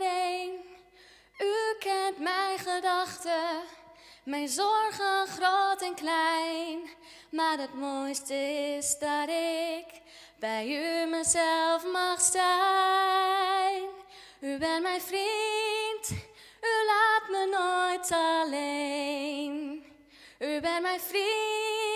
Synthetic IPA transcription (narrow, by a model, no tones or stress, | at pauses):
nejn | ykɛntmɛjnχədɑχtə | mɛjnzɔrχənχrowtɛnklɛjn | maːɹətmojstəɪɪsdɑtɪk | b̥ɛjyməzɛllfmɑχsɛ | n | ybɛntmɛjnfrint | ylaːtmənojtɑle | n | ybɛntmɛjnfri